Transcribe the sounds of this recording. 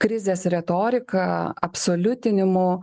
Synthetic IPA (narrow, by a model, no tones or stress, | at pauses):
kɾʲɪzʲeːsɾʲɛt̪oːɾʲɪkɐɐpsoːlʲʊt̪ʲɪnʲɪmʊ